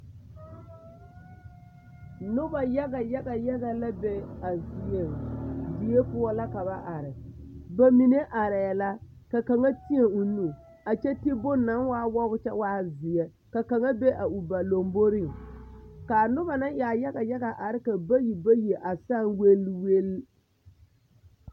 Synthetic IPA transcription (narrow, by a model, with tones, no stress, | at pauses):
nʊ˦ba˨ja˦ɡa˨ja˦ɡa˨ja˦ɣa˨la˦be˦a˨zɪ˨je˨ŋdɪ˨e˦pʊ˦ɔ˦la˦ka˨ba˦ʔa˨ɾɪ˨ba˦mi˨ne˦ʔa˨ɾɛː˨la˦ | ka˨ka˨ŋa˦ti˦e˨ʊ˨nu˦ | a˨t͡ʃɛ˦tɪ˦bʊ˦na˨˦nwaː˦wɔ˦ɣʊ˦t͡ʃɛ˦waː˦zɪ˨jɛ˦ | ka˨ka˨ŋa˦be˦ʔa˨u˨ba˨lo˨mbo˦ɾɪ˦˨ŋ | ka˨nʊ˦ba˨na˦ja˨ja˦ɡa˨ja˦ɣa˨ʔa˨ɾɪ˦ka˨ba˦ji˨ba˦ji˨ʔa˨sa˦˨ŋwe˦lwe˦l